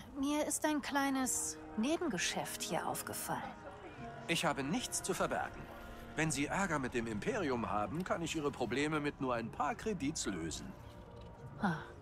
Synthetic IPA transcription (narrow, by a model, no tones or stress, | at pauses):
miːɐɪstaɪnkl̥aɪnəs | neːbm̩ɡəʃɛfthiːɐʔa̰ʊfɡ̥əfa̰lən | ʔɪçhaːbənɪçt͡st͡sufɛɐbɛ̰ɐɡŋ̩ | vɛnziːʔɛɐɡɐmɪt̚d̥eːmɪmpʰeːʁiʊmhaːbm̩kʰanɪçʔiːʁəpʁ̥obleːməmɪtnuːɐaɪnpʰaːɐkʁ̥ediːtslø̰ːzn̩ | ha